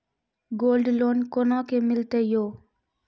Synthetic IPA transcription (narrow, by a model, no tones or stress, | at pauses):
ɡoːlɖloːnkonãːkemɪlt̪ejoː